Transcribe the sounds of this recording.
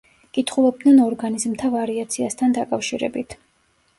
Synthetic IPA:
kʼit̪ʰχulˠɛb̚d̪nɛnɔɾɡanizmt̪ʰavaɾiat̪sʰiast̪ʰand̪akʼafʃiɾɛ̰bit̪ʰ

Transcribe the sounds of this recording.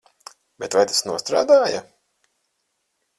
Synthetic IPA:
bʲɛt̪vajt̪ḁsnuɔst̪ɾa̰ːd̪aːja

